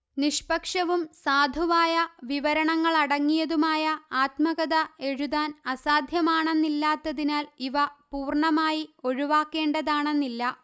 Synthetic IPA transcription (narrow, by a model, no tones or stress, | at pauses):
niʂpɐkʂɐʋumsaːd̪ʱuʋaːjɐʋiʋɐɾɐɳɐŋːɐɭɐɽɐŋːijɐðumaːjɐaːt̪mɐɣɐðɐe̞ɻuðaːnɐsaːd̪ʱjɐmaːɳe̞nːilːaːt̪ːɐðinaːliʋɐpuːrɳɐmaːjio̞ɻuʋaːkːe̞ːɳɖɐðaːɳe̞nːilːɐ